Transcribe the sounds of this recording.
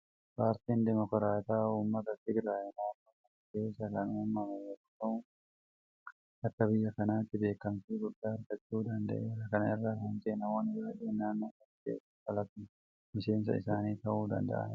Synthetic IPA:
paːɾt̪iːnd̪ɛmɔkɾaːt̪aːuːmːɐt̪ɐt̪ːɪɡɾaːjɛnaːkːɐkɐnkeːsɐkɐnoːmːɐmeɛkːʊt̪ɐʊ | ɐk̪ːɐbɪjːɐkɐnaːt̪ːɪbe̞ːkːɐmtiɡʊd̪ːaːɐɾɡɐt͡ʃːuːd̪ɐnd̪ɐ̰ʔeːɐkɐnɐʔɪrːɐhɐnd͡ʒenɐmɔnɪbaːᶑeːnːaːnːokɐtḛː | ɐlɐt̪ɪ | mɪse̞ːns̬ɐ̰ɪ̰saːniːt̪ɐʔuːd̪ɐ̰nd̪ɐ̰ʔɐ̰n

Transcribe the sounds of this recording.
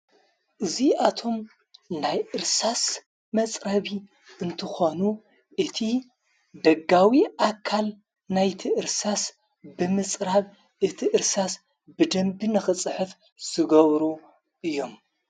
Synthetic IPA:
ʔɨziʔat̪ʰo̞m | najʔɨɾsasː | ɐt͡sʼɾɐβi | ɨnt̪ʰɨxonu | ʔɨt̪ʰi | d̪ɐɡawiʔakʰːal | najt̪ʰiʔɨɾsas | bɨmɨt͡sʼɾaβ | ʔɨt̪ʰiʔɨɾsas | bɨd̪ɐmbinɨxɨt͡sʼɨħɨf | z̥ɨɡɐβɾu | ʔɨjːo̞m

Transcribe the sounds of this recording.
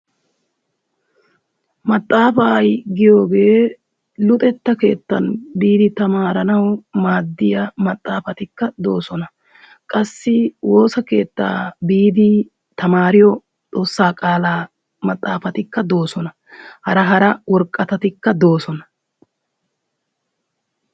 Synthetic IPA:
mɐt̪ʼːaːfaːjɡɪjo̞ːɡe̞ː | lʊt̪ʼɛt̪ːɐke̞ːt̪ːɐnbiːd̪ɪt̪ɐmaːɾɐnɐwmaːd̪ːɪjɐmɐt̪ʼːaːfɐt̪ɪkːɐd̪o̞ːsɔnɐ | kʼɐsːɪwʔo̞ːsɐke̞ːt̪ːa̰ːbiːd̪ɪ | t̪ɐmaːɾɪjɔ | t͡sʼo̞ːsːaːkʼaːlaː | mɐt̪ʼːaːfɐt̪ɪkːɐd̪o̞ːsɔnɐ | hɐɾɐɦɐɾɐwɔɾkʼːɐt̪ɐt̪ɪkːɐd̪oːsɔnɐ̥

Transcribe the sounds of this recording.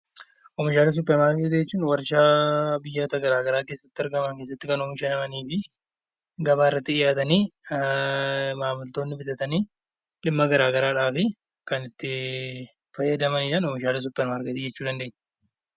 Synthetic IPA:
ʔɔmɪʃaːlɪs̬ʊpːɛɾmaːɾket̪ɪd͡ʒɛt͡ʃːuːnwɐɾʃaːbɪjːaːt̪ɐɡɐɾaːɡɐɾaːke̞ːsːɐt̪ːɪɐɾɡɐmɐŋkeːsːɐt̪ːɪkɐnɔmɪʃɛnɐmɐniːfɪ | ɡɐbaːɪrːɐt̪ːɪɪjaːt̪ɐniː | maːmʊlt̪o̞ːnːɪbɪt̪ɐt̪ɐniː | ᶑɪmːɐɡɐɾaːɡɐɾaːᶑaːfɪ | kɐnɪt̪ːɪ | fɐjːɐd̪ɐmɐniːᶑaːnɔmɪʃaːlɪs̬ʊpːɛɾmaːɾɡɛt̪id͡ʒɛt͡ʃːuːd̪ɐnd̪eʔn

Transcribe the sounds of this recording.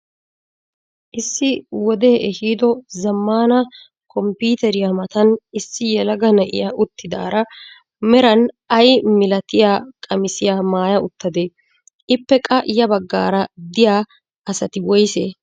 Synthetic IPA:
ʔɪsːɪwɔd̪eːʔɛhiːd̪ɔzɐmːaːnɐ | kɔmpiːt̪ɛɾɪjamɐt̪ɐnɪsːɪjɛlɐɡɐnɐʔɪ̰jaʔʊt̪ːɪd̪a̰ːɾɐ | mɛɾɐn | ɐjmɪlɐt̪ɪjaːkʼɐmɪsɪjaːmaːjɐʊt̪ːɐd̪e | ʔɪpːɛkʼɐʔjɐbɐɡːa̰ːɾɐd̪ɪjaː | ɐsɐt̪ɪwɔjsḛː

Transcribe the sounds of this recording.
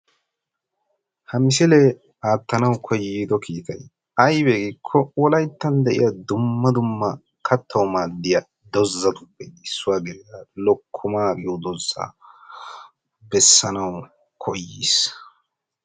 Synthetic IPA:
hɐmɪsɪlɛ | aːt̪ːɐnɐwkʰɔjːiːd̪ɔkʰiːkɐj | ɐjbeːɡɪkʰːɔwɔlɐjt̪ːɐnd̪ɛʔɪ̰jad̪ʊmːɐd̪ʊmːɐ | kʰɐt̪ʰːɐwmaːd̪ːɪjɐ | d̪ɔzːɐd̪ʊbːɛd̪ɪsːʊwaɡɪɾɪjalɔkʰːʊmaːkʼɪjɔd̪ɔzːa̰ | bɛsːɐnɐw | kʰɔjːiːs

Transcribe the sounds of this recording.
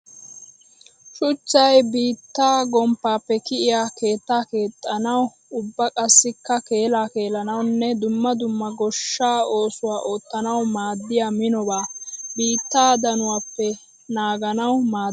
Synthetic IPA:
ʃʊt͡ʃːɐjbiːt̪ːaːɡɔmpːaːpːɛkɪʔɪjaːke̞ːt̪ːaːke̞ːt̪ʼːɐnɐw | ʊbːɐkʼɐsːɪkːɐke̞ːlaːke̞ːlɐnɐwnːɛd̪ʊmːɐd̪ʊmːɐɡɔʃːaːo̞ːsʊwaːʔo̞ːt̪ːɐnɐwmaːd̪ːɪjaːmɪnɔbaːbiːt̪ːaːd̪ɐnʊwaːpːɛ | naːɡɐnɐwmaː

